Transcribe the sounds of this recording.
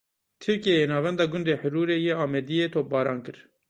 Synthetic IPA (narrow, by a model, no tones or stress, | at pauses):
t̪ʰɨɾkijejeːnɑːvɛnd̪ɑːɡʊnd̪eːħʊɾuːɾeːjeːɑːmɛd̪ijeːt̪ʰoːp̚bɑːɾɑːnkɨɾ